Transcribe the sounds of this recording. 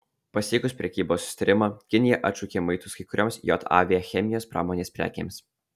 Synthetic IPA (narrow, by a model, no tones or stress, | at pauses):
pɐsʲiːkʊsʲpʲɾʲɛkʲiːboːsːʊ̥sʲɪ̥t̪ɐɾʲɪmɐkʲɪnʲɪjɛʔɐ̰t̪t͡ʃuːkʲeːmɐɪt̪ʊskɐɪkʊɾʲoːmsjo̰ːt̪ɑ̰ːʋʲɛjɛxʲɛmʲɪjoːspɾɑ̰ːmoːnʲeːspʲɾʲæ̰ːkʲḛːms